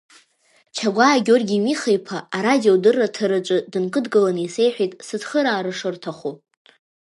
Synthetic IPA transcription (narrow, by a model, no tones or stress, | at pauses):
t͡ʃʰaɡʷaːɡʲorɡʲimiχejpʰaaɾadiodɨrːatʰaɾɨt͡ʃʷʼɨdɨnkʼɨdɡɨlanise̞jħʷᶣijtʼsɨd͡zχəɾaːɾɨʂɨrtʰaχu